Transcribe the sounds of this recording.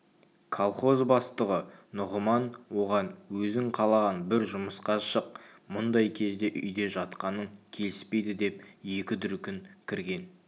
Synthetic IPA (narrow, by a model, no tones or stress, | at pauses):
kʰolˠχo̞zbɑst̪əʁənʊʁəmɑnwo̞ʁɑnwɵzɪŋqʰɑlˠɑʁɑnbɪɾʒʊməsqɑʃəq̚ | mʊnd̪ɑjkʲʰe̞zd̪e̞ʔʏjd̪e̞ʒɑt̪qɑnəŋkʲʰe̞lɪspe̞jd̪ɪd̪e̞pje̞kʲɪd̪ʏɾkʲɪŋkʲʰɪɾɡʲe̞n